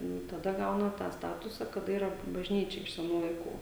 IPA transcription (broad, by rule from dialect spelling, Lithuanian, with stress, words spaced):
ˈnʊ tɐˈdɐ ˈɡɐʊnɐ tɑː ˈstɑːtʊsɐ kɐˈdɐ ˈiːrɐ bɐʒʲˈnʲiːt͡ʃʲɛ ɪʃ sʲɛˈnuː lˠɐɪˈkuː